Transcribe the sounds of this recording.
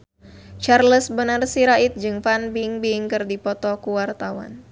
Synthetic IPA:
t͡ʃarləsbənərsiɾaʔit̪̚d͡ʒɨŋfanbiŋbiŋkɨrdipɔt̪ɔkuwart̪awa̰n

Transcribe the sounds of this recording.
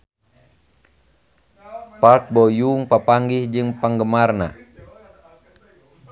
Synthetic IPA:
pat̪̚bɔjuŋpapaŋɡihd͡ʒɨŋpaŋɡəmarna̰

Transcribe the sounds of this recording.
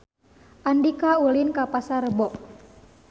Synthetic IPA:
ʔandikaulinkapasaɾəbɔʔ

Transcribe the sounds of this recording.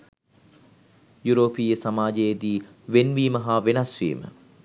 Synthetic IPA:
juɾoːpiːjəsamaːd͡ʒejed̪iː | ʋenʋiːmɐɦaːʋenɐsʋḭːmə̰

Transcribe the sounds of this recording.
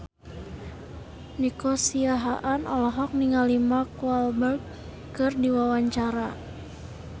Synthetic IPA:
nikosiaɦaʔanɔlɔɦɔk̚niŋalimakualbərk | kɨrdiwawaɲt͡ʃaɾa

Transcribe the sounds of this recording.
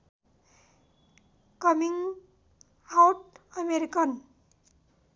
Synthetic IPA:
kʌmiŋ | awʈ̚ʌmeɾikən

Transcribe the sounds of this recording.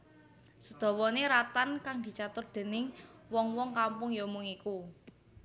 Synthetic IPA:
səd̪̥ɔ̤wɔneɾat̪ankaŋd̪̥i̤t͡ʃat̪ʊrd̪̥e̤nɪŋwɔŋwɔŋkampʊŋjomʊŋiku

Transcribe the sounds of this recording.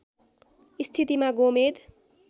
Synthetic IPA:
ist̪ʰit̪imaɡomed̪

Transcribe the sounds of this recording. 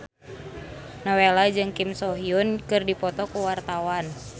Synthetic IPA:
nawelad͡ʒɨŋkimsɔɦiunkɨrdipɔt̪ɔkuwart̪awan

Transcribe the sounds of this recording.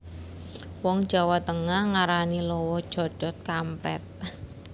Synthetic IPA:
wɔŋd̥ʒ̥a̤wat̪əŋahŋaɾanilɔwɔd̥ʒ̥ɔ̤̥ʒ̥ɔ̤t̪̚kampɾɛ̰t̪̚

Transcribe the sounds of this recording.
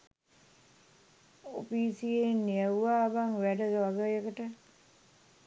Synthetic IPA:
o̰piːsienːiəwːaːbaŋʋæɖədʋaɡəjəkəʈə

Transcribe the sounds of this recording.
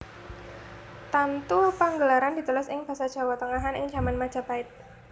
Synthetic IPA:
t̪ant̪upaŋɡəlaɾand̥i̤t̪ulʊsɪŋb̥a̤sad̥ʒ̥a̤wat̪əŋaɦanɪ̰ŋ̥d͡ʒa̤manmad̥ʒ̥a̤b̥aɪt̪̚

